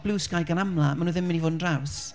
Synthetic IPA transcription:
b̥luːsɡajɡanamlamanuːðɪmɪnivoːdn̩draws

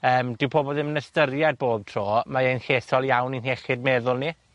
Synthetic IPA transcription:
əːmdɪwpʰoːbɔðɪmənəstərjad̚boːb̚tʰroːmaejnɬeːθɔlˠjawninheχɪd̚meðʊlˠni

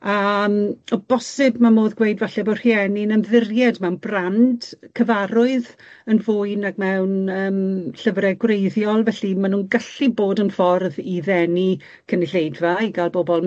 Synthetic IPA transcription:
amɔb̥ɔsɪbmamoːðɡwejdvaɬɛbɔr̥iɛninənðɪrjɛdmɛwnbrand̥kʰəvaɾʊɨð | ənvʊɨnaɡmɛwnəːmɬəvɾɛɡwrejðjɔlˠvɛɬimanuːnɡəɬiboːdənfɔrðiðɛni | kʰənɪɬejdvaiɡalˠbɔbɔlˠ

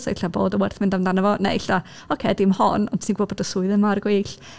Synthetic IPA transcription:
sa̰ɪɬaboːdəwɛrθmɪndamndanəvɔnḛɪɬa | ɔkʰeːdɪmhɔnɔ̰ntʰsinɡwoːbɔdəsʊɨðəmarɡweːɬ

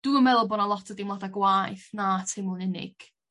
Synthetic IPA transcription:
d̥uːəmɛlˠbɔnalˠɔtʰədimlˠadaɡwajθnatʰɪmʊnɪnɪ̰ɡ̥

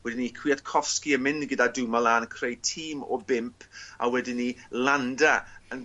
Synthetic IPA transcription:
wɛdɪnikʰw̥iːadkʰɔskiəmɪndɡədadumalaːnkʰrejtʰiːmɔ̰bɪmpʰa̰wɛdinilandaən

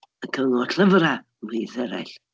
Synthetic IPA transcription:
əkʰəŋɔtʰɬʰəvra | miðɛɾɛ̰ɬ

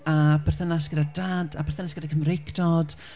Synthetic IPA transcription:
abʰɛrθənasɡ̥ədadadabʰɛrθənasɡ̥ədakʰəmrɪkdɔd̥

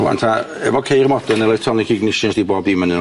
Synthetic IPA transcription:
ua̰ntʰa | ɛvɔkʰejrmɔdənɛlɔjtʰɔnikʰiɡnɪʃɪɛsd̥ibɔːbimənɪn

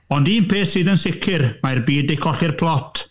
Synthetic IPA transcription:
ɔndiːnpʰeːsɨːðənsɪkʰɪrmarbiːdejkʰɔɬɪrpʰlˠɔtʰ

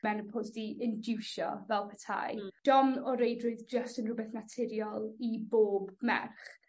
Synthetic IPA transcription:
mɛnəpʰɔzdiʔəndɪwʃɔ̰vɛlˠpʰətʰa̰jd̥ɔmɔɾejdrʊɨðd͡ʒəstənrʊbɛθnatʰɪɾjɔlˠiboːbmɛ̰rχ

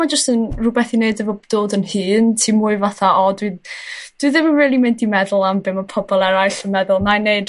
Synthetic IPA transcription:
mad͡ʒəstənrubɛθineɨdəvobd̥oːdənhɨːntʰimʊɨvaθaʔɔdwɨd̥wɨðɪmənrɛːlˠimɪndimɛðʊlˠambɨməpʰɔbɔlˠɛɾajɬənmɛðʊlˠnaneɨd

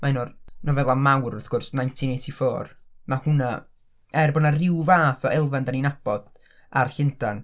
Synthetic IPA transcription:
maɪnɔrnɔvɛlˠamawrɔθɡ̥ʊrsnajntʰinetʰifoːrmahʊna | ɛrbɔnarɪwvaːθɔɛlˠvandaninab̥ɔd̥ | a̰rɬɪndan

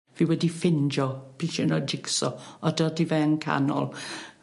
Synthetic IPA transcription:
viwɛdifɪnd͡ʒɔpʰiʃɛnɔd͡ʒɪksɔɔdɔdivɛənkʰa̰nɔ̰lˠ

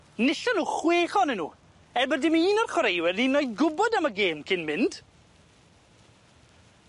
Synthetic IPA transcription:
nɪɬɔnuːχweːχɔnənːṵː | ɛrbədɪmiiːnɔrχwɾejwɛrninojðɡʊbɔdaməɡeːmkʰɪnmɪnd̥

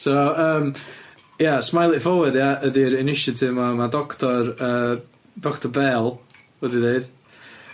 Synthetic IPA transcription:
soəːm | jasmajlˠifɔwədjaədiɾɪnɪʃɪtʰɪvmɔmadɔkʰtɔrəː | d̥ɔktʰɔbɛlˠ | wɛdideɨd̥

